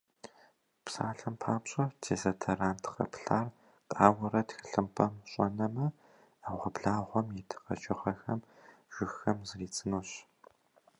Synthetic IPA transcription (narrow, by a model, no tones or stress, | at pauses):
psa̰ːɬɐmpʰaːpɕʼɐtʰeːzɐtʰɐraːmtʰqɐ̰pɬaːr | qʼaːwɐrɐtxɨɬɨmpʰɐmɕʼɔnɐmɐ | aʁʷɔbɮaːʁʷɔmjɛtʰɨ̥qɐ̰t͡ʃʼɪχɐxɐmʒ̥ʷʊxɐmzɨriːt͡sʼɨnuːɕ